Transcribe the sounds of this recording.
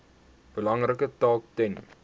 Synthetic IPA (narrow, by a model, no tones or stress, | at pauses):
b̥əlɐŋrəkətɑːk̚tɛn